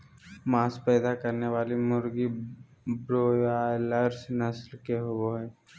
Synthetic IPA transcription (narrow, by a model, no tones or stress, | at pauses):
maːspɛːd̪akɐɾneʋaːlimʊɾɡi | bɾoːjaːləɾsnɐslkeɦoʋoɦɛː